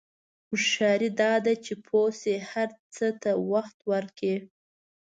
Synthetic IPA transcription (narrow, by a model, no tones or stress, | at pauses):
xʊʃɑɾid̪ɑd̪at͡ʃepʰosehaɾt͡sət̪awaxt̪waɾki